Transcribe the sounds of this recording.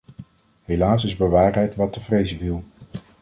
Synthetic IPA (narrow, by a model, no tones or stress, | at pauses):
ɦejlaːs̬ɪzbəʋaːrɦɛjtʋɑtəvrejzəvilˠ